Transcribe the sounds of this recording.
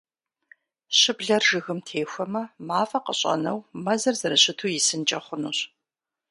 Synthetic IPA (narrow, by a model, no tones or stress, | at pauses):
ɕɪbɮɐrʒɨɣɨmtʰeːxʷɐmɐmaːfɐqə̰ɕʼɐ̰nɐ̰wmɐzɐrzɨɾɐɕɪtʰuːjɪsɨnt͡ʃʼɐχʷʊnṵːɕ